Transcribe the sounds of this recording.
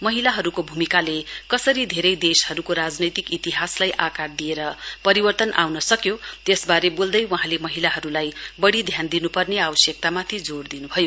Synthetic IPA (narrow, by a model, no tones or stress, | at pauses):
mʌɦilaɦʌɾukobʱumikalekʌsʌɾid̪ʱeɾʌjd̪eshʌɾukoɾad͡znʌjt̪ikit̪iɦaslajʔakard̪ijeɾʌpʌɾibʌrt̪ʌnʔa̰wnʌsʌkjot̪esbaɾebold̪ʌjwʌɦãlemʌɦilaɦʌɾulajbʌɽid̪ʱjand̪inupʌrneabʌsjek̚t̪amat̪ʰid͡zord̪inubʱʌjo